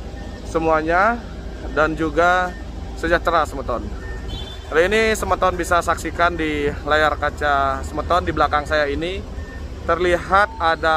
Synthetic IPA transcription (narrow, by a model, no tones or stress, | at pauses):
səmuaɲa | dand͡ʒuɡa | səd͡ʒah̚t̪əɾasəmət̪ɔn | alainisəmət̪ɔnbisasaksikandilajarkat͡ʃasəmət̪ɔndibəlakaŋsajaini | t̪ərliɦat̪̚ada